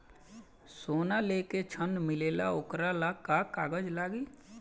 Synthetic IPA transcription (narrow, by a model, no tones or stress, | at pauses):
soːnaleːket͡ʃʰənmɪleːla̰okɾalakakaːɡəd͡ʒlaːɡiː